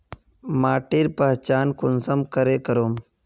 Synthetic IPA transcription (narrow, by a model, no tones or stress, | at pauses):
maːʈiɾpɐɦt͡ʃaːnkʊnsəmkəɾeːkəɾoːm